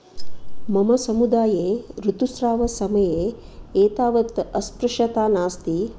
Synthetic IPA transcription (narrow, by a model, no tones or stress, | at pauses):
mɐmɐsɐmud̪aːjeːɾut̪usɾaːʋɐsɐmɐjeː | eːt̪aːʋɐt̪ɐspɾɐʂɐt̪aːnaːst̪i